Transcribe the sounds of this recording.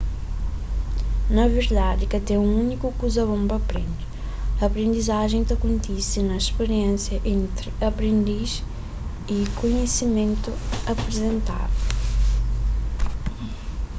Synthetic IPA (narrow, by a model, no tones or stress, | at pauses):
nɐveɾd̪ad̪ɪkɐd̪ɛũunikukuzɐβõmbɐpɾḛ̃nd̪ɪ | ɐːpɾẽnd̪izaʒẽj̃t̪ɐkõnt̪isɪnɐiʃpeɾiẽnsjɐʔẽnt̪ɾɪɐpɾẽnd̪iz | ikoɲesimẽnt̪uɐpɾezẽnt̪a̰d̪u